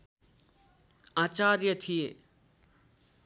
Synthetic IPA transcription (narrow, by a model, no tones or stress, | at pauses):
aːt͡ʃaːɾjət̪ʰije